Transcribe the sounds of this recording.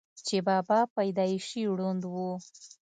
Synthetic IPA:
t͡ʃebɑbɑpajd̪ɑɪʃiwɽund̪wu

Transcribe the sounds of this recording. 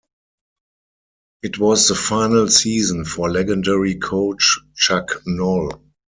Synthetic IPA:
ʔɪtʰwɔsðəfaɪ̃nəlsiːzə̃nfɔlɛɡə̃ndɛɹikʰoʊt͡ʃt͡ʃaknɔl

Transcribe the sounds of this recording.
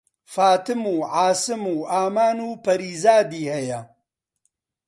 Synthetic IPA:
faːt̪ɨmuːʕaːsɨmuːʔaːmaːnuːpɐɾiːzaːd̪iːhɐjɐ

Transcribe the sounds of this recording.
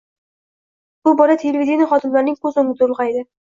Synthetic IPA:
b̥ʊbɒɾat̪ʰelʲevʲid̪ʲjnɪχɒd̪ɪmlaɾnɪŋkʰɵzʊnɪt̪ʊlˠʁajd̪ɪ

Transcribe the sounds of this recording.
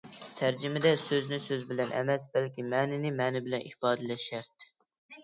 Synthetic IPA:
t̪ʰæɾd͡ʒɪmɪd̪ɛsøznɪsøzbɪlɛnʔɛ̰mɛsbɛlkʲimɛːnɪnɪmɛːnɪbɪlɛnʔḭχbɑːd̪ɨlɛʃɛɾt̪

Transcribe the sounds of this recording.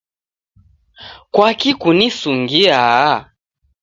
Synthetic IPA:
kwakikunisuŋɡia

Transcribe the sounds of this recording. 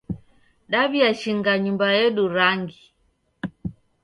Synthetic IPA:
ɗaβiaʃiŋɡaɲumbajɛɗuɾaŋɡi

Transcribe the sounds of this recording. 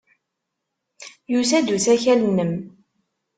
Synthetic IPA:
jusæd̪uθæçælənːəm

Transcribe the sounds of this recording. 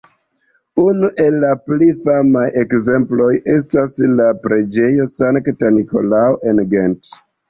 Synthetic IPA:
unuʔe̞lːaplifamaje̞kze̞mplo̞je̞staslapɾe̞d͡ʒe̞jo̞saŋktaniko̞̰laoʔe̞nɡent

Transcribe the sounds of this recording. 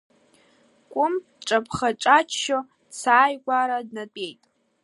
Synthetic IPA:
kʷʼʊm | ʈ͡ʂʼapʰχaʈ͡ʂʼat͡ʃʰʃo | t͡sʰaːjɡʷaɾadnatʷʼejtʼ

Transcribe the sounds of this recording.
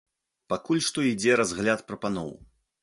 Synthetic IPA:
pakulʲʂt̪ɔid͡zʲɛɾazɣlʲat̪pɾɐpanɔ̰w

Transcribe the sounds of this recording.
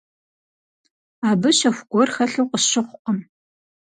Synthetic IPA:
aːbɨʃɐxʷɡ̥ʷɔrxɐɬɐwqəʃɪχʷʔʼɐm

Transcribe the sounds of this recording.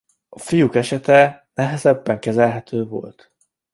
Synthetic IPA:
ɒfijukɛʃɛt̪ɛnɛɦɛzɛbːɛŋkɛzɛlɦɛt̪ʰøːvo̞̰lt̪

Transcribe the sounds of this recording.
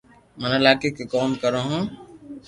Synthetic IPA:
mə̃nɪlaːkeːkeːkoːmkəɾõːɦõː

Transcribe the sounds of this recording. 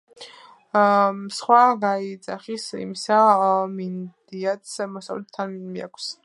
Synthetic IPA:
sχwaɡait̪sʼaχisḭmisamind̪iat̪smɔsa̰vlɛt̪ʰːanmia̰kʷʰs

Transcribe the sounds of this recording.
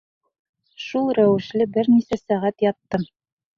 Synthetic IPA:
ʃulˠɾæwɘ̆ʃlɘbɘɾnisæsæʁæt̪jɑt̪ːɤm

